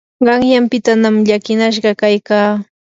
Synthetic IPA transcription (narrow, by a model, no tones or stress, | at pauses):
ɢɑŋjampɪt̪anamʎakɪnaʃ̬ɢɑkajkaː